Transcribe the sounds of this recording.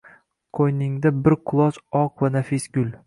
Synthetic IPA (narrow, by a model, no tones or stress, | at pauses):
qʰojnɪŋd̪abɪɾqʰʊlˠɒt͡ʃɒqvanafɪsɡʲʊl